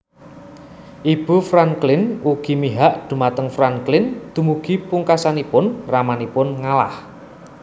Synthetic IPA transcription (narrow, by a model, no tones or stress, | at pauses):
ʔib̥ṳfɾaŋklɪnʔuɡ̥i̤miɦaʔd̪̥ṳmat̪əŋfɾaŋklɪnd̪̥ṳmuɡ̥i̤puŋkasanipʊnramanipʊnŋala̰h